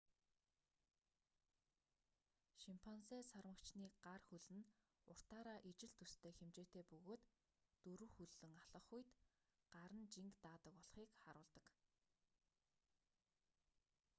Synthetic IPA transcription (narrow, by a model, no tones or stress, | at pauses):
ʃimpʰɔnseːsarmə̆kt͡ɕniːɢarxuɮɘ̆n | ʊr̥t̪aːɾaːʔit͡ɕɪ̆ɮt̪ust̪ʰeːxemt͡ɕeːt̪eːpɵɣoːt̪ː | ɵɾɵ̆xuɮːɵ̆ŋaɮ̥ə̆χujt̪ | ɢ̥aɾə̆nt͡ɕiŋkt̪aːt̪ə̆kɔɮχiːkχaɾʊːɮt̪ə̆k